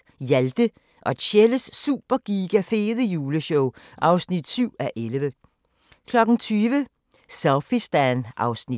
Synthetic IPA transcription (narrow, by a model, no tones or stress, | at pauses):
jæld̥ə | ʔɒ̽ed̥ɕeləsːṵːb̥ɐɡ̥iːɡ̥æfe̝ːðˠəjuːləɕɔʊ | ʔɑ̈ʊsnid̥syʊ̰æʔelʋə | kʰlɒ̽ɡ̥ŋ̩t͡sʰyːʋə | sæʊfisd̥ænʔɑ̈ʊsni